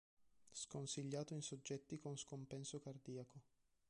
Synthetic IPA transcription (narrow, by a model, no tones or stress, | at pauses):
skonsiʎːaːt̪oinsod͡ʒːɛt̪ːikonskompɛnsokard̪iːako